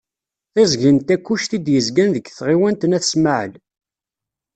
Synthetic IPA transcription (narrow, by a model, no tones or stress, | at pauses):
θæzɡint̪ækʷːuʃt̪id̪jəzɡænðəɡθʁiwænt̪ənæθsmaʕə̰l